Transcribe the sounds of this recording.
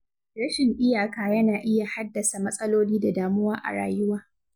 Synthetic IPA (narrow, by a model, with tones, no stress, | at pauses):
ɾɐ˦ʃɪ˨ŋʔɪ˦jaː˨kaː˨jɐ˦naː˨ʔɪ˦ja˨ha˦dːɐ˨sa˨mɐ˦sʼɐ˦loː˦liː˦da˨daː˨mʊ˦waː˦ʔa̰˨ɽa̰ː˨jʊ˦waː˦